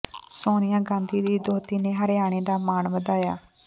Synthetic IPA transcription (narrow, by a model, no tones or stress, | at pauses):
soːnɪjãːɡãːnd̪iːd̪iːd̪oːt̪iːneːɦəɾjaːɽ̃eːd̪aːmaːnʋəd̪aːjaː